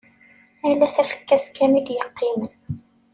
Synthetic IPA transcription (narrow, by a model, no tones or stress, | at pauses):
ælːæθæfə̥kːæskːæmid̪jəqːimən